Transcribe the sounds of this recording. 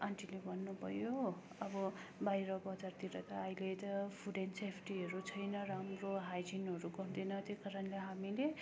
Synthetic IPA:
anʈilebʱʌnːupʌjo | ʌbʌbajɾʌbʌt͡sart̪iɾʌt̪ʌʌjlet̪ʌpʰuɖensepʰʈiʌɾut͡sʰʌjnʌramroɦajd͡zinʌɾuɡʌnd̪inʌt̪jojkaɾʌnleɦamile

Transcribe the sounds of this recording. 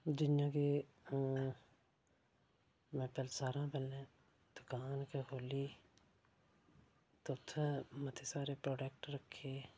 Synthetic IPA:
d͡ʒɪnjãːkeː | mɛ̃ːpɛːlsaːɾãːpɛlːẽː | d̪okaːnkehoːliː | t̪oʊt̪ʰːəmət̪ʰeːsaːɾeːpɾoːɖɛːk̚ʈɾəkʰːeː

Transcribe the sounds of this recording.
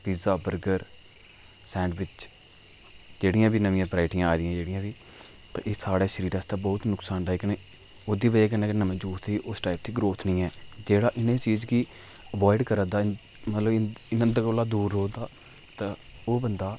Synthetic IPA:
piːzaːbəɾɡəɾ | sɛ̃ːɳɖʋɪt͡ʃ | d͡ʒeːɽɪjãːbiːnəʋɪ̃jãːpɾaːɪʈɪjãːaːd̪ɪjãːd͡ʒeːɽɪjãːbiː | t̪ã̰ːʔeːsaːɽeːʃəɾiːɾaːst̪ãːbɔːt̪nʊksaːnɖeːkənẽː | oːd̪iːʋəeːk̬ənẽːknəmẽd͡ʒuːt̪ʰiːʔʊsʈaːɪp̚t̪iːɡɾoːt̪ʰnĩːɛːd͡ʒeːɽaːʔɪnẽːt͡ʃiːd͡ʒki | əʋɔːɪɖkəɾəd̪aː | mət̪ləbɪnə̃d̪əkoːlaːd̪uːɾoːd̪aː | t̪ãː | oːbənd̪aː

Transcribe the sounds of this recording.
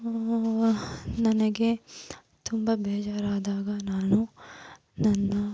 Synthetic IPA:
nɐnɐɡe̞ | t̪umbɐbɛːd͡ʒaːɾaːd̪aːɡɐnaːnu | nɐnːɐ

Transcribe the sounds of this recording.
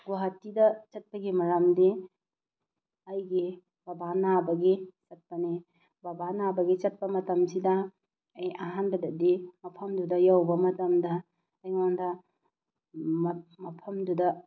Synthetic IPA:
ɡwaɦɐtːidɐt͡ʃɐt̚pɐɡimɐɾamdi | ɐjɡi | bɐbanabɐɡit͡ʃɐt̚pɐni | bɐbanabɐɡit͡ʃɐt̚pɐmɐtɐmsidɐː | jɐɦanbɐdɐdimɐpʰɐmdudɐjawbɐmɐtɐmdɐː | jŋandɐ | mɐpʰɐmdudɐ

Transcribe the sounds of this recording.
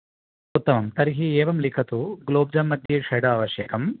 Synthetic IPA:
ut̪ːɐmɐmt̪ɐɾiɦieːʋɐmlikʰɐt̪uɡloːb̚d͡ʒɐmːɐd̪ʱjiʂɐjɽɐɐːʋɐʃjɐkɐm

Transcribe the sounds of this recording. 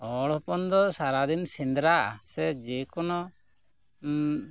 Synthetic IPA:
ɔɽɔpɔnd̪ɔsaɾad̪insind̪ɾaʔa̰sɛd͡ʒɛkɔnɔ

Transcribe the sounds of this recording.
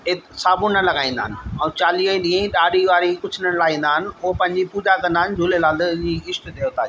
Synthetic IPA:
ɪt̪saːbʊnɐlɐɡaːĩnd̪aːɦɪnɪ̆ɛ̃ũt͡ɕaːlioiɗĩə̃ĩɗaːɽiʋaːɾikʊt͡ɕʰɪnəɽ̃laːĩːnd̪aːɦɪnɪ̆ʊɦopɐ̃ɦɪ̃ɲd͡ʑipuːd͡ʑakɐ̃nd̪aːɦɪnɪ̆d͡ʑʱuːlelaːld͡ʑiːɪsʈd̪ejoːt̪aːiː

